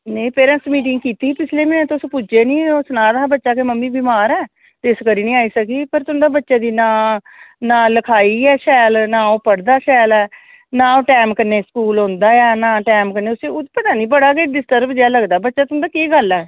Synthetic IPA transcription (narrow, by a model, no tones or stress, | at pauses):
nẽĩpeːɾə̃nsmiːʈ̬ɪŋɡkiːt̪iːpɪt͡ʃʰleːmɛːnẽt̪ʊspʊd͡ʒeːnĩːʊsnãːd̪aːbətːʃaːkeməmːĩːbɪmaːɾɛː | t̪eskəɾiːnĩːaːiːsəkiːpəɾt̪ʊʊ̃nd̪aːbətːʃaːd̪iːnãː | nãːləkʰaːiːɛːʃɛːlnãːoːpəɽd̪aːʃɛːlɛː | nãːoːʈɛːmkəɾneːskuːlɦõnd̪aːjaːnãːʈɛːmkəɾneːʊseːʊpət̪aːnĩːbəɽaːkeɖɪsʈəɾbd͡ʒeaːləɡd̪aːbətːʃaːt̪ʊnd̪aːkeːɡəlɛː